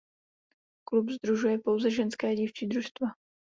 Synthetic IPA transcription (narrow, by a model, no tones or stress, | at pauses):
klubzd̪ɾuʒujɛpo̞wzɛʒɛnskɛːɟift͡ʃiːd̪ɾuʃst̪va